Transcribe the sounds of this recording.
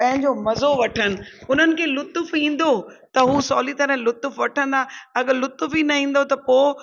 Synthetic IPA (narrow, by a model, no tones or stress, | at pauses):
pɐ̃ɦɪ̃ɲd͡ʑomɐzoʋɐʈʰənɪ̆ʊn̤ənɪ̆kʰeːlʊt̪ʊfĩːn̆d̪ot̪ɐɦuːsɔːlit̪ɐɾəɦlʊt̪ʊfʋɐʈʰə̃nd̪aɐɡəɾlʊt̪ʊfinɐĩːn̆d̪ot̪ɐpoː